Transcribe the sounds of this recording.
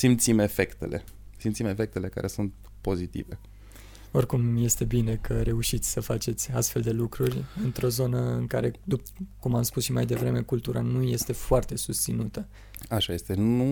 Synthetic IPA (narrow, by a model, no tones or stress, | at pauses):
simt̪sime̞fe̞kt̪ḛlḛsimt̪sime̞fe̞k̚t̪e̞le̞ka̰ɾʔe̞sunt̪ | po̞zit̪ḭve̞ | o̞rkumje̞st̪e̞bine̞kʰəɾe̞uʃit̪sʲsəfat͡ʃe̞t̪sʲast̪fe̞ld̪e̞lukɾurʲɨnt̪ɾo̞zo̞nəɨŋkaɾe̞d̪upkumamspusʃimajd̪e̞vɾe̞me̞kult̪uɾanuje̞st̪e̞foart̪e̞sust̪sinut̪ə | aʃaje̞st̪enu